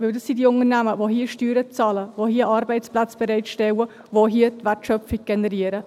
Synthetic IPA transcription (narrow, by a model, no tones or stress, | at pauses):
vɪldɑsːidiʊnənæməvoɦiəʃtyːɾət͡sɑːləvohiəʔɑːɾbɛɪtt͡splat͡sb̥ɛɾɛɪtʃtɛwə | voɦiətvɛrtʃœp͡fiɡ̚ɡ̥ɛnəɾiəɾə